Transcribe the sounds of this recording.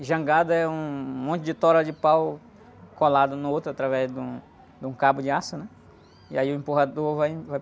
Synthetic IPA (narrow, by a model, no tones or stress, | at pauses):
ʒɐ̃ɡad̪ɐɛũmõt̪ʊd͡ʒɪt̪ɔɾɐd͡ʒɪpaw | kolad̪ʊnʊowt̪ɾʊat̪ɾavɛzd̪ũ | d̪ũkabʊd͡ʒɪasɐnɛ | iaiʊẽpoɦad̪oɾvajvaj